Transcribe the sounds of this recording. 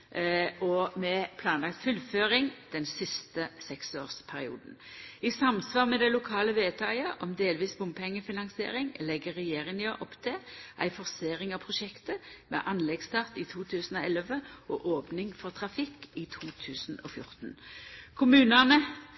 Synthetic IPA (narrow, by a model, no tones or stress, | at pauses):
ɔmɛpʰlɑːnlɑkt̪fʉlføːʁɪŋd̪̥ɛnsɪst̪əsɛksoːʁspʰæʁɪṵːd̪n̩isɑmsʋɑːʁmɛd̪æɪlʊkʰɑːləʋeːt̪ʰɑɪəʔɔmd̪eːlʋiːsbʊmbpɛŋːəfɪnɑŋsɪḛːʁɪŋlɛɡəʁɛjeːʁɪnɪɔʔɔpt̪ʰɛʔæ̰ɪfɔʁseːʁɪŋɑʋpʰʁʊʃɛkt̪əmɛ̰ʔɑnlɛɡst̪ʰɑʁt̪ɪt̪ʰuːt̪ʰʉːsn̩ɔɛlʋəɔʔoːpnɪŋfɔʁt̪ʰʁɑfɪkːit̪ʰuːt̪ʰʉːsn̩ɔ̰ːfjʊ̰ʁt̪n̩kʰʊmʉːnɑnə